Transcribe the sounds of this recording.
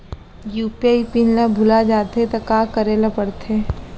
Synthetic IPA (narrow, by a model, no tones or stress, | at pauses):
juːpiaipinlabʱʊlad͡ʒaːt̪et̪ɐkaːkɐɾeːlapɐɽt̪eː